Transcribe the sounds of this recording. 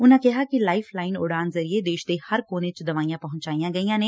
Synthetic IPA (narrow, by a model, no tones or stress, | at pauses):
ʊnãːkɪɦaːkilaːɪpʰlaːɪno̰ɽaːnzəɾied̪eːʃd̪eːhəɾkoːnet͡ʃd̪əʋaːijãːpɐɦʊ̃nt͡ʃaːijãːɡəijãːneː